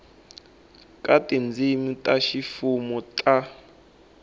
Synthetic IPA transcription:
kʼatʼind͡zʱimitʼaʃifumɔtʼa

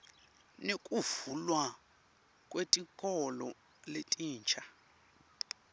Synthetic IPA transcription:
nekʼuvulwa | kʼwetʼikʼɔlɔ | letʼiːnt͡ʃʼʰa

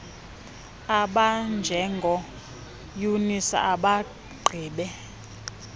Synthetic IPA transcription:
aɓand͡ʒʱɛŋɡʱɔ | junisa̰ʔaɓa | ɡ͡ǃʱiːɓɛ

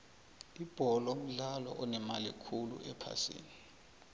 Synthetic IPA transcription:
ib̥ʱɔlom̩ɮalɔʔɔnɛmalḭkʰulṵʔɛpʰa̰sḭːni

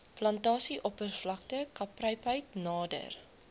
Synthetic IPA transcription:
plɐntɑːsiʔɔpərflɐk̚təkɐprəjpɦəjtnɑːdə̰r

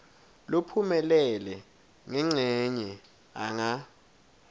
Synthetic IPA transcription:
lopʰumɛlɛlɛ | ŋɛŋ͡ǀʱɛɲɛ | aŋa

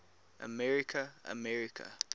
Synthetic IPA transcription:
ʔə̰mɛɹikʰəə̰mɛɹikʰə̰

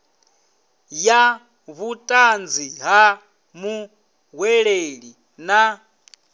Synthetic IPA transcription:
ja | βutʼand͡ziɦa | mu | ɦwɛɺeɺi | na

